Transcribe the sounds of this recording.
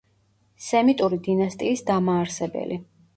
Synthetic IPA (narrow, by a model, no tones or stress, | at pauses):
sɛmit̪ʼuɾid̪inast̪ʼiːsd̪amaːɾsɛbɛ̰li